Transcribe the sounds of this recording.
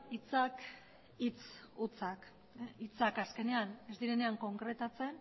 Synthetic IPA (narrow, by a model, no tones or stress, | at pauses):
it͡sak | it͡s | ut͡sak | it͡sakaske̞ne̞ane̞zd̪iɾe̞ne̞aŋko̞ŋkɾe̞t̪at͡se̞n